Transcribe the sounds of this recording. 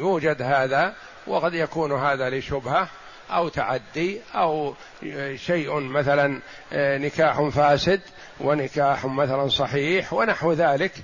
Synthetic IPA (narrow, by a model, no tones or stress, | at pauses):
juːd͡ʒad̪haːða | wʔɪɣɑd̪jakuːnɦaːðalɪʃʊbha | ʔawt̪aʕad̪ːiʔaw | ʃajʔmaθalan | nɪkaːħʊfaːsɪd̪ | wɪnɪkaːħmaθalansˤɑħiːħwɪnaħwðaːlɪk